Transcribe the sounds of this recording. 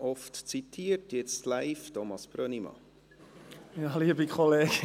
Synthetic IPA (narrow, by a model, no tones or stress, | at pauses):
ʔɔftt͡sitʰːiːərtjɛt͡stlaɪftʰɔmɑsb̥ɾœnimɑ̰ | jɑːliəbikχɔleːɡ̥